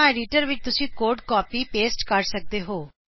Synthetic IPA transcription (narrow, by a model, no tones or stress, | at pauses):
aːɖiːʈəɾʋɪt͡ʃt̪ʊsĩːkoːɖkɔːpiːpeːsʈkəɾsək̚d̪eːɦoː